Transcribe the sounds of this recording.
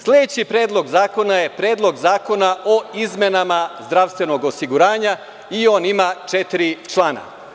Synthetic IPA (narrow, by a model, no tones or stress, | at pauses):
sled̪et͡ɕipɾeːd̪lˠo̞ɡzaːko̞naje̞pɾeːd̪lo̞ɡzaːko̞naʔoizmenamazd̪ɾaʋst̪ʋe̞no̞ɡosiɡuɾaːɲa | io̞ːnimaːt͡ʃet̪iɾit͡ʃlˠaːna̰